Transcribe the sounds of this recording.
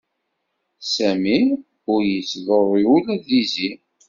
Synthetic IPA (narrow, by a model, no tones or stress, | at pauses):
sæmi | ʊɾjət͡sːðoɾˤiulæðizi